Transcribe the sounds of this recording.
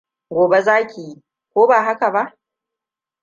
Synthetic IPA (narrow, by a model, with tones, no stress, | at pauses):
ɡʷoː˨be˦zaː˦kʲi˨ji˦ | kʷoː˦baː˨ɦa˦ka˨ba˦ʔ